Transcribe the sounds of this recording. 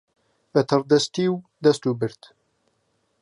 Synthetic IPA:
bɛt̪ʰɨrd̪ɐst̪iːwd̪ɐst̪ubɨɾt̪

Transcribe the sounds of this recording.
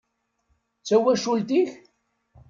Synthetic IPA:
t͡sːæwæʃult̪iç

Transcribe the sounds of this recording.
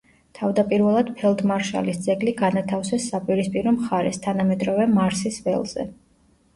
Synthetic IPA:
t̪ʰavd̪apʼiɾvɛlˠad̪̥pʰɛlˠd̪maɾʃa̰lisd̪zɛɡliɡanat̪ʰafsɛsːapʼiɾispʼiɾɔmχaɾɛ̰st̪ʰanamɛd̪ɾɔvɛmaɾsisvɛ̰lˠz̥ɛ̰

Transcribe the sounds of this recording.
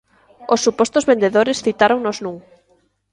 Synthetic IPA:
osːupɔst̪ozβend̪eðoɾɪsθit̪aɾoŋnoznũŋ

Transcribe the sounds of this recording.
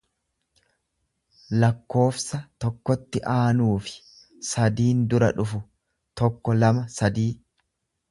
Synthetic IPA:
lɐkːo̞ːfsɐt̪ɔkːɔt̪ːɪʔaːnuːfɪ̥ | sɐd̪iːnd̪ʊɾɐ̰ᶑʊfʊ | t̪ɔkːɔlɐmɐsɐd̪iː

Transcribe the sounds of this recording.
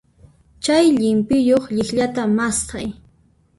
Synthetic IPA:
t͡ʃajʎɪmpɪjoχʎɪχʎat̪amast̪aj

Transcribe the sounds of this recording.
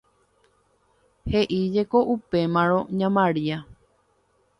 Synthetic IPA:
he̞ʔid͡ʒe̞ko̞ʔupe̞mãɾõɲãmãɾia

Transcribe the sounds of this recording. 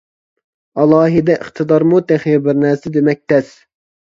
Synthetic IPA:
ɑlˠɑːɦid̪ɛʔəχt̪ʰɨd̪ɑɾmut̪ɛχibɪɾnæɾsɪd̪emɛk̚ʲt̪ʰɛs

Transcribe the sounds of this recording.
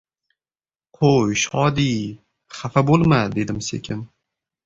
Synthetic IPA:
qʰojʃɒd̪i | χafabolˠmad̪e̞d̪ɪmsḛkʲʰɪn

